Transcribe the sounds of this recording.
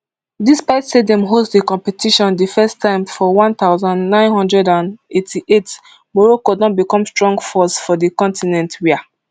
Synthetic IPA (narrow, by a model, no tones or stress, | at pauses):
dispaɪtsedɛ̃mɦostdikɔ̃mpɛtʰiʃɔ̃ndəfɛstʰːãɪ̃mfɔwɔ̃nt̪aʊzãnnãɪ̃nɦɔ̃ndɹɛdãnetʰiʔet | mɔɹɔkodɔ̃tbikɔ̃mstɹɔ̃ŋɡfɔsfɔdəkɔ̃ntinɛ̃ntwia